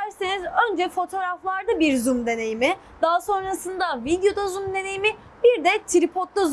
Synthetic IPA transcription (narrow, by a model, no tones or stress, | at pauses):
æɾsenizø̞nd͡ʒɛfo̞t̪ʰo̞ːɾaflˠaɾd̪abiɾzumd̪e̞ne̞jimɪ | d̪aːaso̞nɾasɯnd̪avid̪jo̞d̪azumd̪e̞ne̞jimi | biɾd̪ɛt̪ʰiɾipʰot̪lˠaz